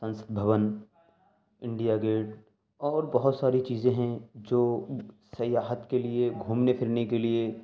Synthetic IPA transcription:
sɐ̃nsə̥t̪̚bʱəʋən | ɪ̃ɳɖijaɡeːʈ | ɔːɾbɐɦʊt̪saːɾit͡ʃiːzẽɦɛ̃d͡ʒoːsɐjaːɦət̪kelieɡʱuːmnepʰɪɾnekelie

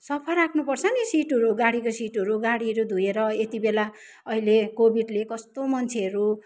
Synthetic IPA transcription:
sʌpʰʌrakʰnupʌrt͡sʰʌnisiʈɦʌɾuɡaɽikosiʈʌɾuɡaɽiɦʌɾud̪ʱujeɾʌet̪ibela | ʌilekobiɖlekʌst̪omʌnt͡sʰeɦʌɾu

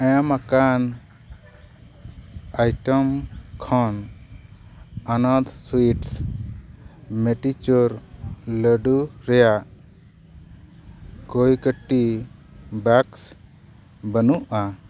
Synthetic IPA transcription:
ɛmakan | ajʈɔmkʰɔn | anad̪suiʈs | mɛʈit͡ʃuɾləɖuɾɛjaʔ | kojkəʈːi | baks | bənuʔa

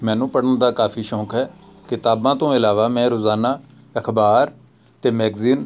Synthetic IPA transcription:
mɛ̃ːnũːpəɽənd̪aːkaːfʰiːʃɔ̃ːkɦɛːkɪt̪aːbãːt̪õːɪlaːʋaːmɛ̃ːɾoːzaːnaː | əkʰbaːɾ | t̪eːmɛːɡziːn

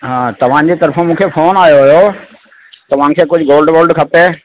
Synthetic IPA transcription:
ɦãːt̪ɐʋ̤ã̆d͡ʑet̪ɐɾfõmũːkʰefoːnaːjoɦjo | t̪ɐʋ̤ãːkʰeːkʊd͡ʑʱʊɡoːlɖʋoːɾɖkʰɐpeː

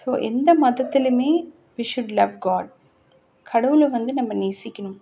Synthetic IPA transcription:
soːʔɛnd̪ɐmɐðɐt̪ːilɐmeː | ʋiːʃʊɖlɐʋɡaːɖ | kʰɐɽɐʋɯlɐʋɐnd̪ɯnɐmːɐneːsɪkʲːɐnum

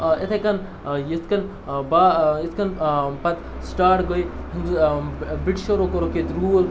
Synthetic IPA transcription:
et̪ʰɐkɐn | jit̪ʰkɐn | bait̪ʰkɐnpɐt̪ | sʈaːʈɡojhind̪ubiʈʃoɾokoɾoket̪ɾuːl

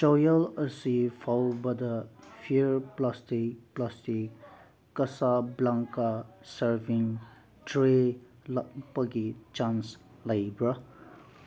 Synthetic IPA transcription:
t͡ʃɔjʌləsipʰawbʌd̪ʌpʰiɾplastik̚plastikː | ʌsablaŋkasəɾbiŋ | dɾe | pʌɡit͡ʃans | lajbɾʌ

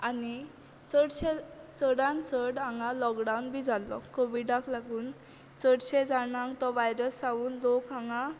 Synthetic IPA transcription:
ani | t͡səɽɕet͡səɽãnt͡səɽãŋɡalɔkɖaunbʱid͡zʱalɔ̰koʋiɖaklaɡuːn | t͡səɽɕed͡zanãŋt̪ɔʋajɾəsːaʋuːnlokãŋɡa

